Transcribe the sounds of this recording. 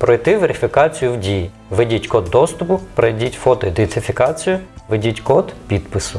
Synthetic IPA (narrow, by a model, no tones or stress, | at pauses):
pɾɔjt̪ɪʋeɾʲɪfʲikɑt͡sʲijʊwdʲiji | ʋedʲitʲkɔd̪ːɔst̪ʊpʊpɾɔjdʲitʲfɔt̪ɔid̪ent̪ɪfʲikɑt͡sʲijʊʋedʲitʲkɔd̪pʲid̪pɪsʊ